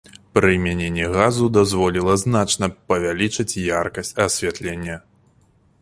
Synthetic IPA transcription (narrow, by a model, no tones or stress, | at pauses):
pɾɨmʲanʲenʲːɛɣazud̪azvɔlʲilˠɐznat͡ʂnɐpɐvʲalʲit͡ʂɨt͡sʲjarkɐsʲt͡sʲɐsʲvʲat̪lʲenʲːɐ